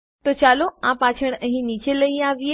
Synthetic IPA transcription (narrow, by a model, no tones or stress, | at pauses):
t̪ot͡ɕaːloãpaːt͡ɕʰəɽ̃ə̃ɦĩnit͡ɕeləɦĩaːʋie